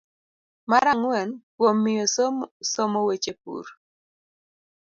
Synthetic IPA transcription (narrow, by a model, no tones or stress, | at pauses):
maɾaŋwɛnkwomːɪjossɔmowet͡ʃep̚ṵɾ